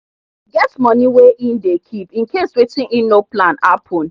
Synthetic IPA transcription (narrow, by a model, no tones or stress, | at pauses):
ɡɛtmɔ̃niweʔĩndekʰipĩnkeswetĩninoplãnapʰɔ̃n